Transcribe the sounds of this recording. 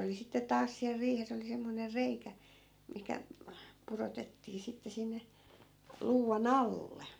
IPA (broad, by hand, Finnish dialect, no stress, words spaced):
oli sitːe tɑːs siæl riːhes oli semːoner reikæ mihkæ purotetːiː sitːe sinːe luːʋɑn ɑlːe